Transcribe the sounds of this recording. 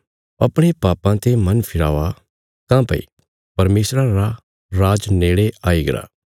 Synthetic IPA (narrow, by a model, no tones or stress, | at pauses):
ɐpɽ̃epaːpãt̪emɐnpʰɪɾa̰ːʋa | kãːpɐ̰ḭ | pɐɾmeːsɾãɾa | ɾaːd͡ʒneːɽeaːiɡɐɾa̰ː